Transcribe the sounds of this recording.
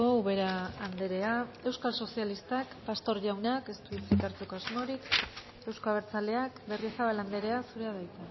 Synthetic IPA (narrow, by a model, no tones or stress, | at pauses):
ouβe̞ɾaːnd̪e̞ɾe̞ae̞wskalso̞sialist̪akpast̪o̞ɾʝawneake̞st̪uit͡sit̪aɾt͡sukoazmo̞ɾik | e̞wskoaβ̞e̞ɾt͡sale̞akbe̞rie̞saβ̞aland̪e̞ɾe̞asuɾe̞aðajt̪a